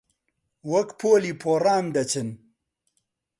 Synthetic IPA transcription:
wɐkpʰoːliːpʰoːraːmd̪ɐt͡ɕʰɨn

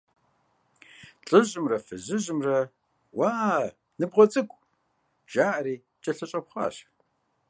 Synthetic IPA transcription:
ɬʼɨʑɪmrɐfɨʑɪʑɪmrɐ | waː | nɨbʁɐt͡sʼɨkʷʼ | ʒ̥aːʔɐɾiː | t͡ʃʼɐɬɐɕʼɐpχɑ̰ːɕ

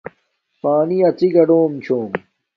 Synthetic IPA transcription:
paːniɐt͡siɡɐɖoːmt͡ɕʰoːm

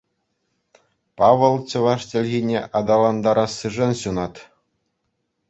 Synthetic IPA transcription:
pɑʋɤ̆lˠt͡ɕɤ̆ʋɑʂtʲɘ̆lʲɣʲinʲeʔɑd̪ɑlˠɑnd̪ɑɾɑsːɯʐɤnɕunɑt̪

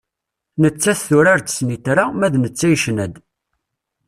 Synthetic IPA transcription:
nət͡sːæθθʊɾaɾt̪ə̥snit̪ɾamæðnət͡sːæjʃnæd̪

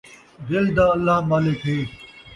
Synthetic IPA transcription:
d̪eːld̪aːəlːaɦmaːleːkʰɦeː

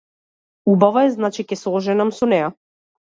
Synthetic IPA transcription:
ubavaɛznat͡ʃikɛsˠɔʒɛnamsɔnɛja

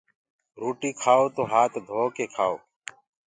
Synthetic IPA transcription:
ɾoːʈiːkʰaːoːt̪oːɦaːt̪ʰd̪ʱoːkeːkʰaːo̰ː

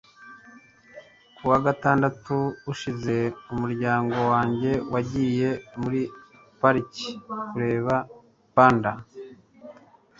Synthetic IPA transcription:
kuwaɡataːndatuuʃize̞umuɾɟaːŋɡo̞waːɲɟe̞waɟiːje̞muɾi | paɾici̥kuɾe̞ːβa | paːnda

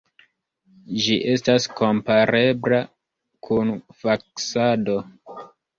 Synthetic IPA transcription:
d͡ʒiʔe̞stasko̞mpaɾe̞bla | kʰunfaksado̞

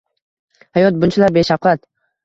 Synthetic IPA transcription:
hajɒt̪̚bʊnt͡ʃʰalaɾbeʃaqat̪

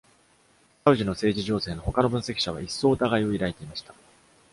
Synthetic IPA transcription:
saɯ̟ʑino̞se̞ːd͡ʑiʑo̞ːse̞ːno̞ho̞kano̞bɯ̟̃ɰ̃se̞kʲi̥ɕaβ̞a̰ʔisːo̞ːt̪aɡaio̞iɾait̪e̞imaɕi̥t̪ḁ

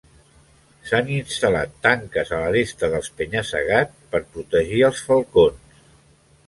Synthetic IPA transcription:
saninst̪əla̰t̪ːaŋkəzələrest̪əðəlˠspəɲəsə̰ɣat͡spəɾpɾut̪əʒiəlˠsfəlˠkons

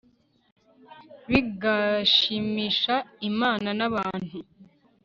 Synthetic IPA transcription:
βiɡaʃimiʃaimaːnanaβaːnhu

